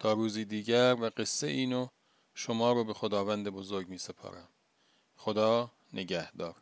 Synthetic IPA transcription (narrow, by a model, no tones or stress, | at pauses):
t̪ʰɒːɾuːziːd̪iːɟæɾvæɢe̞sːeʔiːno | ʃomɒːɾobe̞xod̪ɒːvænd̪ebozoɾɟmiːse̞pʰɒ̰ːɾæm | xod̪ɒː | nʔe̞ɟæhd̪ɒːɾ